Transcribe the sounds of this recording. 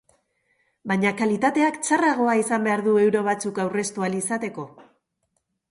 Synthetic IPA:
bajɲakalit̪at̪e̞akt͡saraɣ̞o̞aisambe̞aɾðue̞wɾo̞β̞at͡sukawre̞st̪ualisat̪e̞ko̞

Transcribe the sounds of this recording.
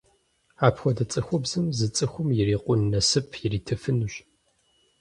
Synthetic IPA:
aːpʰxʷɔdɐt͡sʼɨxʷʊbzɨmzɨt͡sʼɨxʷʊmjɪriːqʷʼʊnːɐsɨpʰjɪriːtʰɨfɨnuɕ

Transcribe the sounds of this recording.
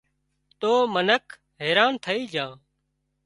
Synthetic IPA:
t̪oːmənəkʰ | ɦeːɾaːnt̪ʰəiːd͡ʒãː

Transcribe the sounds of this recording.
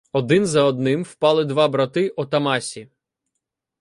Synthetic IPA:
ɔd̪ɪnzɐɔd̪nɪmwpɑlˠɪd̪ʋɑbɾɐt̪ɪʔɔt̪ɐmɑsʲi

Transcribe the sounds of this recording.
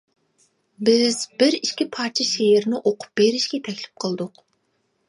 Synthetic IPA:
bɪz̥bɪɾiʃkʲipʰɑːt͡ʃʰɛʃeɪɾnɪʔoqʊ̥p̚beɾɪʃkʲɛt̪ʰɛkʲlɪ̥p̚qʰəlˠd̪ʊq

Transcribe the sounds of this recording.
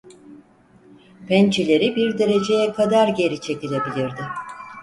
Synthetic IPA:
pʰænt͡ʃʰilʲe̞ɾibiɾd̪e̞ɾe̞d͡ʒe̞jɛkʰad̪aɾɟe̞ɾit͡ʃʰe̞cilʲe̞bilʲiɾd̪ɪ

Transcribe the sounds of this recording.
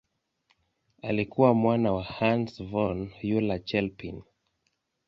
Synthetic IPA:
a̰likuwamwanawahansvɔnjulat͡ʃɛlpḭn

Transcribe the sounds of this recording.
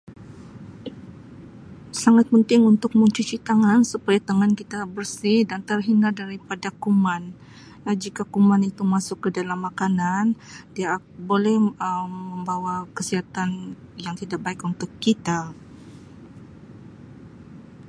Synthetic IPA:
saŋat̪̚pənt̪ɪŋunt̪ʊk̚məɲt͡ʃut͡ʃit̪aŋansupajat̪aŋankit̪abərsihdant̪ərɦinadaɾipadakuman | jad͡ʒikakumanit̪umasʊkːədalamːakanandia | bolɛhəːəmbawakəsiɦat̪anjaŋt̪idak̚baɪkunt̪ʊkːit̪a

